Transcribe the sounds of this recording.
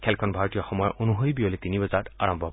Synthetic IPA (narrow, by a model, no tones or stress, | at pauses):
kʰɛlkʰɔnbʱaɹɔtijɔxɔmɔjɔʔonuɦojbioletinibɔzata̰ɹɔmbʱɔ